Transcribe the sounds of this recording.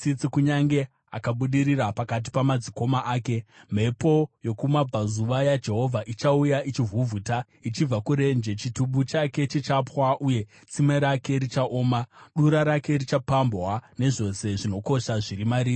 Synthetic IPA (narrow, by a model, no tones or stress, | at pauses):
t͡sit͡sikuɲaŋɡe̞ | a̰kaɓuɗiɾirapakat̬i̥pamad͡ziko̞maʔaːke̞m̤e̞po̞jo̞kumab͡vʱazuʋajad͡ʒe̞ɦo̞vʱaʔit͡ʃaujait͡ʃivʱuvʱuta | it͡ʃib͡vakuɾe̞nd͡ʒe̞t͡ʃituɓut͡ʃake̞t͡ʃit͡ʃapwaʔuje̞ | t͡simeɾake̞ɾit͡ʃaʔoːmaɗuɾaɾake̞rit͡ʃapambwane̞ʐo̞se̞ʐino̞ko̞ʃaʐiɾimaɾiːr